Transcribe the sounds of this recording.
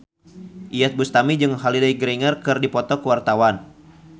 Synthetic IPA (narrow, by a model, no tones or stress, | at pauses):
ʔijat̪̚bust̪amid͡ʒɨŋɦalidajɡɾiŋərkɨrdipɔt̪ɔkəwart̪awan